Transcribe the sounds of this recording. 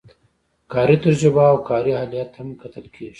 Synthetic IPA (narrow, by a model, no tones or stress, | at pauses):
kaːɾit̪ɐɾd͡ʒubaːwkaːɾihaːlijɐt̪hamkɐt̪əlkʰeːʃ